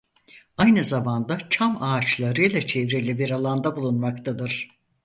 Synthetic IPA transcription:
ajnɯzamand̪at͡ʃʰamaːt͡ʃlˠaɾɯjlˠat͡ʃʰevɾilʲibiɾalˠand̪abulˠunmakt̪ʰad̪ɯɾ̥

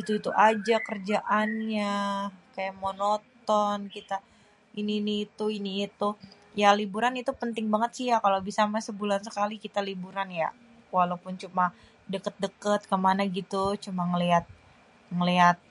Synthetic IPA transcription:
it̪uit̪uʔad͡ʒakərd͡ʒaʔanɲakajaʔmonot̪ɔnkit̪a | iniːniːt̪uiniːt̪u | jalibuɾanit̪upənt̪ɪŋbaŋət̪sijakalawbisamasəbulansəkalikit̪alibuɾanja̰ | walawpʊnt͡ʃuma | dəkət̪̚dəkət̪̚kəmanaɡit̪ut͡ʃumaŋəliat̪̚ | ŋəliat̪̚

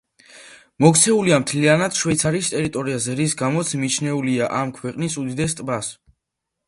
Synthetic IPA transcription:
mɔk̚t̪sʰɛuliamt̪ʰlianad̪̥ʃwɛt̪sʰaɾist̪ʼɛɾit̪ʼɔɾiazɛɾis̬ɡamɔt̪sʰmit͡ʃʰnɛuliaʔamkʰwɛqʼnisud̪id̪ɛst̪ʼbas

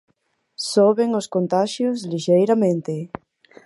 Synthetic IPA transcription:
soβeŋʊskont̪aʃjʊsliʃejɾamẽnt̪ɪ

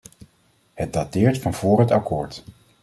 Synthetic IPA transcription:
hət̚datɪːɹtfɑnv̥ʊːrɦətakʊːɹt

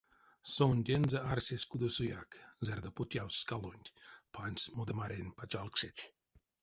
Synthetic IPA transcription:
sonʲd̪ʲenzəarsʲesʲkud̪osujakzerd̪opotʲjawskalˠonʲtʲpʰanʲsʲmod̪əmaɾʲenʲpat͡ʃalˠkʂetʲ

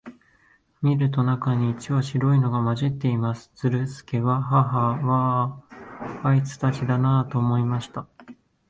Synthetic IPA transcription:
mʲiɾɯ̟t̪̬o̞nakaɲ̟iːt͡ɕiβaɕiɾo̞ino̞ɡamaʑit̪ːe̞imasɨ̥t͡sɨɾɯ̟sɨ̥ke̞βaɦaɦaβa | ait͡sɨ̥t̪at͡ɕid̪anat̪o̞ːmo̞imaɕi̥t̪a

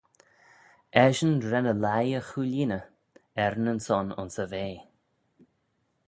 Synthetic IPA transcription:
ɛʒənɾɛnəlajəxuliːnə | ɛɾnənsɔnʊ̰nsəveː

